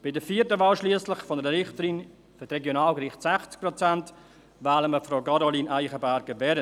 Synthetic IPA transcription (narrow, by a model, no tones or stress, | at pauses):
b̥ɪdəfiːəɾtəʋɑːlʃliəslɪχfɔnəɾəɾɪχtəɾin | føtɾɛɡjonɑːlɡɾiχtsæχt͡sk̚pɾɔt͡sænt | vaːləməfɾoʊkɑɾoliːnʔaɪχəbæɾɡəvɛɾə